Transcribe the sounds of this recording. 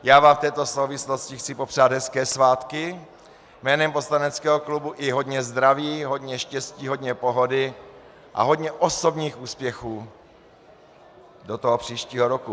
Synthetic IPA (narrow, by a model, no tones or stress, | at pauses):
jaːvaːft̪ɛːt̪o̞sowvɪsloscɪxt͡sɪpo̞pr̥aːd̪ɦɛskɛːsvaːt̪kɪ | mɛːnɛmposlanɛt͡skɛːɦoklubuʔɪɦo̞dɲɛzd̪ɾaviːɦo̞dɲɛʃcɛsciːɦo̞dɲɛpoɦo̞dɪ | ʔa̰ɦo̞dɲɛʔoso̞bɲiːxuːspjɛxuː | dot̪oɦopr̝̥iːʃciːɦoɾoku